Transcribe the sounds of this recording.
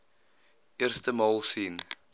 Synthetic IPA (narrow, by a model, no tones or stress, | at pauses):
ʔiərstəmɑːlˠsiːn